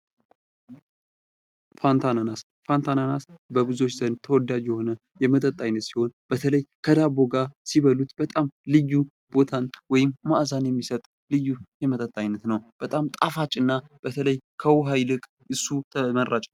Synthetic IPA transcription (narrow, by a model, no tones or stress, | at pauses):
fant̪ʰananas | fant̪ʰananasbəbɨzo̞t͡ʃːzənt̪ʰəwɔd̪ːad͡ʒjɛho̞nə | jɛmət̪ʼət̪ʼːajnːət̪siho̞nb̥ət̪ʰələjkʰəd̪abo̞ɡasiβəlut̪bət̪ʼamlɨjːu | b̥o̞t̪ʰanwɔjɪmːaʔzanjɛmːisət̪ʼ | lɨjːujɛmət̪ʼət̪ʼːajnːət̪nəwb̥ət̪ʼamt̪ʼafat͡ʃʼɨnːab̥ət̪ʰələjkʰəwɦajlɨkʼ | ʔɨsːut̪ʰəmərːat͡ʃʼ